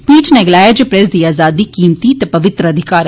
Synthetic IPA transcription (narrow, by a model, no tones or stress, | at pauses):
piːt͡ʃnɛɡlaːjad͡ʒepɾɛs̬d̪iːaːzaːd̪iːkiːmt̪iːt̪ɛpɐʋɪt̪ɾəəd̪ʱɪkaːɾ